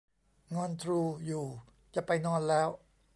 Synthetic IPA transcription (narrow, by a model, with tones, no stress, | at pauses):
ŋɔː˧nt̪ʰɾuː˧juː˨˩ | t͡ɕa˨˩pa˧jnɔː˧nlɛː˦˥w